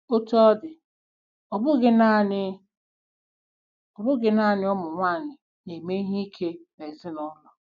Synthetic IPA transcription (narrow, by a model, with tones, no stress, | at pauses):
o˦tɔ˦dɪ˨ | ɔ˨bʊ˦ɡɪ˦na˦nɪ˦ | ɔ˨bʊ˦ɡɪ˦na˦˨nɪ˦ɔ˦mʊ˨ŋʷaː˦˨ɲɪ˨ | ne˨me˦i˦ɦi˦i˦kʰe˦me˨zɪ˦nɔ˦lɔ˨